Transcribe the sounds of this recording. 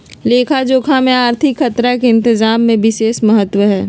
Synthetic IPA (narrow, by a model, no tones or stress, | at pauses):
leːkʰad͡ʒoːkʰamẽaːɾt̪ʰɪkxɐt̪ɾakeɪ̃nt̪ɪzaːmːẽʋɪʃeːʃmɐɦət̪ːwəɦɛː